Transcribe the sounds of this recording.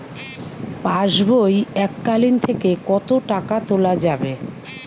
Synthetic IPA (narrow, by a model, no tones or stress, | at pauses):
paʃbʱojɛkːalint̪ʰekekɔt̪oʈakat̪olad͡ʑabe